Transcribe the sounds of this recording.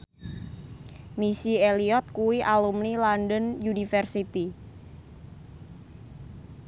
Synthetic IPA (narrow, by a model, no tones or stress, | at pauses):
misieliɔt̪̚kuwiʔalumnilanɖənjunifɛrsit̪i